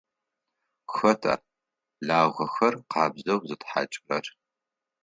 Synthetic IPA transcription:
xɐtʰa̰ː | ɮaːʁʷɐxɐrqʰɑːbzɐwzɨtħa̰t͡ʃʼɪrɐr

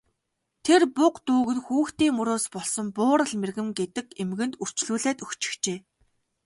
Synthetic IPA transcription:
t̪ʰerpʊqt̪uːɣɘ̆nxuːxt̪iːŋmɵɾoːspɔɮsɞ̆mpʊːɾə̆ɮmerɣɘ̆mɡet̪ɘ̆kemɣɘ̆nt̪ur̥t͡ɕɮuːɮæːt̪ɵxt͡ɕɪ̥̆xt͡ɕeː

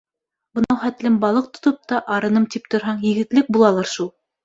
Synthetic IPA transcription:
bɤ̆nɑwχæt̪lɘmbɑlˠɤq̚t̪ŏ̥t̪op̚t̪ɑʔɑɾɤ̆nɤmt̪ip̚t̪ʰŏɾɦɑɴjɘ̆ɡɘ̆t̪lɘk̚bulˠɑlˠɑɾʃulˠ

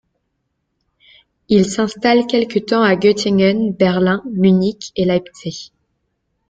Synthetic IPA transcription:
ilsɛ̃st̪alkʲɛlkət̪ɑ̃aɡøt̪iŋənbɛʁlɛ̃mynikelap̪se

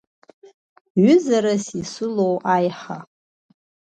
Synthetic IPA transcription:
ʕʷʊzaɾasisɨlowʔajħa

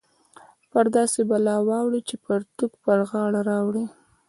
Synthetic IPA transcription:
pəɾd̪ɑsebalɑwɑwɽit͡ʃepəɾt̪ukpəɾɣɑɽaɾɑwɽi

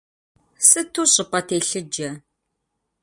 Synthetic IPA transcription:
sɨtʰuːɕʼɪpʼɐtʰeːɬɨd͡ʒɐ

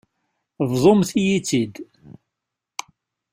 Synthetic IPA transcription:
vðˤomθijit͡sːid̪

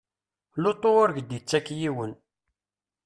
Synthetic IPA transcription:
lot̪ˤːoʊɾɡd̪it͡sːækːjiwən

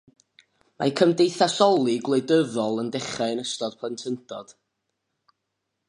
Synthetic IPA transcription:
ma̰kʰəmdejθasɔlˠiɡlˠeɨdəðɔlˠəndɛχaɨənəstɔd̥̚pʰlˠəntʰəntʰɔd̥

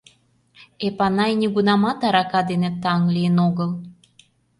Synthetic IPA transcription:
epɑnɑjnʲiɣunɑmɑt̪ɑɾɑkɑd̪enet̪ɑŋlijənoɣəl

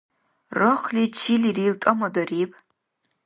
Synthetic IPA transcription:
rɨχlit͡ʃʰiliriltʼɐmɐdɐriːpʼ

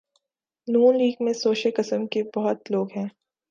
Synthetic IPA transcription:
nuːnliːɡmẽsoːʃəlkɪsəmkebɔɦʊt̪loːɡɦɛ̃ː

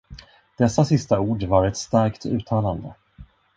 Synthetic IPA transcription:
d̪̥ɛsːasɪst̪auːɖvaɾɛt̪st̪aɾkt̪ʰʉ̟ːt̪ʰɑːland̪ə

